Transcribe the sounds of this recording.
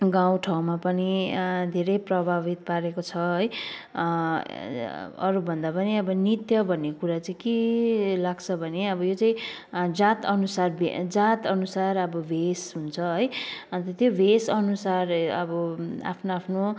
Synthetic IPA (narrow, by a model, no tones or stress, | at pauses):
ɡaw̃ʈʰaw̃mapʌnid̪ʱeɾʌjprʌbʱabit̪̚paɾekot͡sʰʌɦʌj | ʌ̰ɾubʱʌnd̪apʌniʌbʌnit̪jʌbʱʌnːekuɾat͡saĩkilaɡt͡sʰʌbʱʌneʌbʌjot͡saĩ | d͡zat̪ʌnusarbʱed͡zat̪ʌnusarʌbʌbʱesɦunt͡sʰʌɦʌjt̪ʌt̪jobʱesʌnusarʌbʌa̰pʰnoapʰno